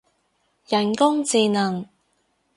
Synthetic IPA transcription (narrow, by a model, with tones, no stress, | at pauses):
jɐ˨˩nkʊ˥ŋt͡siː˨˧nɐ˨˩ŋ